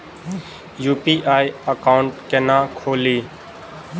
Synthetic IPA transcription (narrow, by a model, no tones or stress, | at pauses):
juːpiːʔaːiəkaːʊɳʈkeːnãːkʰoːliː